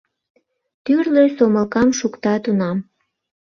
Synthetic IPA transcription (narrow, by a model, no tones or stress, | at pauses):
t̪yrlesoməlkɑmʃukt̪ɑt̪unɑm